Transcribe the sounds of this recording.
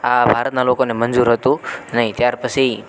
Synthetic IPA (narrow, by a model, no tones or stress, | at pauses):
abʱaɾət̪̚nalokonemənd͡ʒuɾɦət̪ũnəɦĩt̪jaɾpət͡ʃʰi